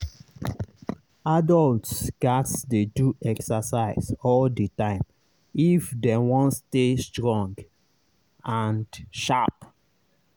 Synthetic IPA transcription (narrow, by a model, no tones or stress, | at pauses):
adɔltsɡ̥atsdeduʔɛksasaɪsɔldətãɪ̃m | ifdɛ̃wɔ̃nstestɹɔ̃ŋɡ | ãndʃap